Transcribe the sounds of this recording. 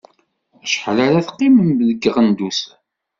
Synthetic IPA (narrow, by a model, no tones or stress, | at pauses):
æʃħlaɾaθqːimənbðəɡːəʁənd̪usæ